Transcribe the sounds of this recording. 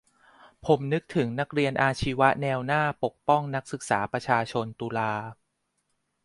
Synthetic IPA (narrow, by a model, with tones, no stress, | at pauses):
pʰo˩˦mnɯ˦˥k̚t̪ʰɯ˩˦ŋna˦˥k̚ɾi˧ənʔaː˧t͡ɕʰi˦˥wa˦˥nɛː˧wnaː˥˩po˨˩k̚pɔ˥˩ŋna˦˥k̚sɯ˨˩k̚saː˩˦pɾa˧t͡ɕʰaː˧t͡ɕʰo˧nt̪uː˧laː˧